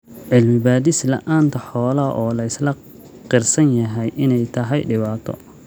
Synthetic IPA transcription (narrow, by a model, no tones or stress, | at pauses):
ʕɪlmɪbaːðɪslɐ̰ʔaːnt̪ʰɐħɔːlɐʔɔːlɐɪslɐ | qɪrsɐnjɐɦɛjʔɪnɛjt̪ʰɐɦɛjɖɪβaːt̪ʰɔ̰